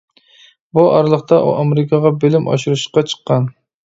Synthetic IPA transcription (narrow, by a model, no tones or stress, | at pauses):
buɑ̰ɾlˠəχt̪ɑʔṵʔɑmeɾɪkʰɑʁɑbelɪmʔɑ̰ʃuɾɨʃqɑt͡ʃʰə̥qːɑn